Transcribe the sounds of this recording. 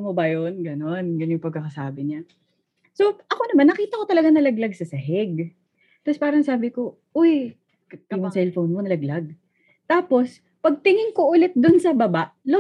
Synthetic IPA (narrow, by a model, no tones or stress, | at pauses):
mobɐjonɡɐno̞nɡɐnjʊŋpɐɡ̚kːɐkɐsaːbɪɲa | so̞ʔɐko̞nɐmanːɐkiːt̪ɐko̞t̪ɐlɐɡanɐlɐɡlɐɡ̚sɐsɐɦɛɡ | t̪ɐspaːɾɐŋsaːbɪko̞ | ʔoj | kɐoŋsɛlfownmonɐlɐɡlaɡ̚ | t̪aːpo̞s | pɐɡ̚t̪ɪŋɪŋkoʔʊlɛt̪̚d̪ʊnsɐbɐbaʔlo